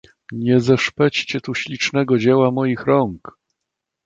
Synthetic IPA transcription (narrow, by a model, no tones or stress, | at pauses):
ɲɛzɛʂpɛt͡ɕt͡ɕɛt̪uɕlʲit͡ʂnɛɡɔd͡ʑewamɔjixɾɔŋk